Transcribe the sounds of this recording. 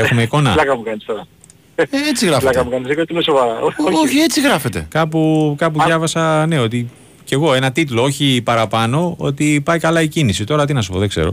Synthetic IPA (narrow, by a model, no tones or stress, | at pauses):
exumeiko̞nɐ̰lɐkɐmukɐnist̪oɾɐ | et͡siɣɾɐflɐkɐmukɐnisekeot̪inesovɐɾɐooçie̞t͡siɣɾɐfe̞t̪e̞̰kɐpukɐpuðʝɐvɐsɐneo̞t̪i | ce̞ɣo̞e̞nɐt̪it̪loo̞çipɐɾɐpɐno̞o̞̰t̪ipɐikɐlɐicinisit̪o̞ɾɐt̪inɐs̬u̥po̞ðekze̞̰ɾo̞̰